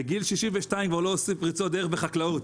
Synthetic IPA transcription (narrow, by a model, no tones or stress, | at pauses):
eɡilʃiʃimveʃtaimkvaʁloosimpʁit͡so̞d̪eebeχaklaut̪